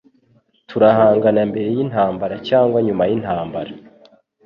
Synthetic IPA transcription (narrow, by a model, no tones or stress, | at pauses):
tʰuɾahaːŋɡanambe̞ɾe̞jin̥haːmbaɾacaːŋɡwaɲumajin̥haːmbaɾa